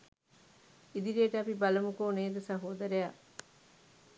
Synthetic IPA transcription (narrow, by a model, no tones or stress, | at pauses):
id̪iɾieʈəɐpibɐlɐmukoːneːd̪ɐsɐɦoːd̪ɐɾeja